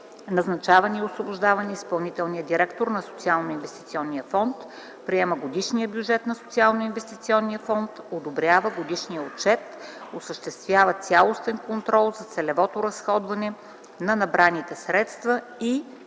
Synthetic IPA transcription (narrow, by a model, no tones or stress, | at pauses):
nɐznɐt͡ʃavəniiosvobʊʒd̪avənɛispɐlˠnit̪ɛlˠnijəd̪iɾɛkt̪oɾnɐso̥t̪sialˠnʊinvɛst̪it̪siɔnːiəfɔnt̪ | pɾiɛməɡod̪iʃnijəbjud͡ʒɛt̪nɐsʊ̥t̪sialˠnʊinvɛst̪it̪siɔnːiəfɔnt̪od̪obɾʲjavəɡod̪iʃniəot̪̚t͡ʃɛt̪osəʃt̪ɛst̪vʲjavət̪sʲalˠost̪ɛnkont̪ɾɔlˠzɐt̪sɛlɛvɔt̪ʊɾɐsxɔd̪vɐnɛ | nɐnɐbɾanit̪ɛsɾɛt̪st̪və | i